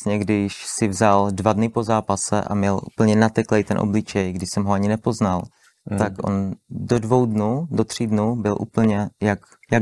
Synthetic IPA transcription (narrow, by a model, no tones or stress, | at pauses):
sɲɛɡdɪʃsɪvzaldvadnɪpo̞zaːpasɛ̰ʔa̰mɲɛlʔṵːpl̩ɲɛnat̪ɛklɛjt̪ɛnʔoblɪt͡ʃɛjɡdɪʃsɛmɦoaɲɪnɛpo̞znal | t̪akʔo̰ndodvowdnudot̪r̥iːdnubɪlʔṵːpl̩ɲɛjak | ja